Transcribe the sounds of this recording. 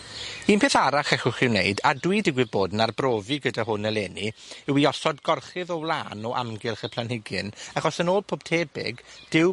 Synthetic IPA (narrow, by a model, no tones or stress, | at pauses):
iːnpʰeːθaɾaχɛχʊχɪwnḛɨdadwidɪɡwɪboːdnarbroːvɨɡədaɦʊnəlˠeːniɪwiɔsɔdɡɔrχɪðɔwlˠaːnɔʔa̰mɡɪlˠχəpʰl̥ˠanhɪɡɪnaχɔsənoːl̚ˠpʰob̥̚tʰeːbɪ̰ɡd̥ɪw